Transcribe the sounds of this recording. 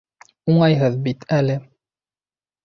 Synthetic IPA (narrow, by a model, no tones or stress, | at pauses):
uɴɑjɦɤðbit̪ʰælɘ